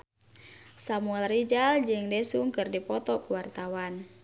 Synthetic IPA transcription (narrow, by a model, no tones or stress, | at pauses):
samuɛlrid͡ʒald͡ʒɨŋdɛsuŋkɨrdipɔt̪ɔkuwart̪awan